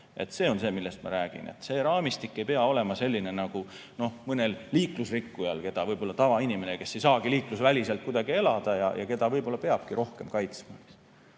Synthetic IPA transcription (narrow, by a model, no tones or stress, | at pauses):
e̞̰t̪se̞ːo̞nse̞ːmilːe̞st̪mɑ̰ɾæːɡ̥ḭnḛt̪ːˑse̞ːɾɑːmist̪ikːe̞jpe̞ɑo̞le̞mɑse̞lʲːine̞nɑɡ̥u | no̞hmɤne̞lliːklusrikːujɑlke̞d̪̥ɑvɤjbo̞lːɑt̪ɑvɑinime̞ne̞ke̞sːe̞jsɑːɡ̥iliːklusvælʲise̞lt̪̚kud̪̥ɑɡ̥ie̞lɑd̪̥ɑjɑ̰jʔɑ̰ke̞d̪ɑvɤjbo̞lːɑpe̞ɑb̥kiɾʔo̞hke̞mkɑjt̪smɑs